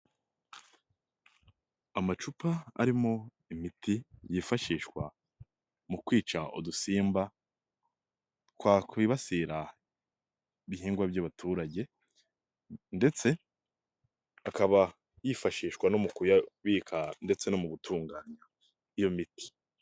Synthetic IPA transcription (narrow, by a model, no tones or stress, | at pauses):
amat͡ʃupaa̰ɾimo̞ | imitijiːfaʃiːʃwa̰ | mukwiːt͡ʃaʔṵdusiːmba | kwakwiβasiɾa | iβihiːŋɡwabɟaβatʰuːɾaɟe̞ | nde̞t͡se̞ | akaβa | jifaʃiːʃwanomukujaβiːkʰande̞t͡se̞no̞muɡutʰuːŋɡaːɲa | ijo̞miti̥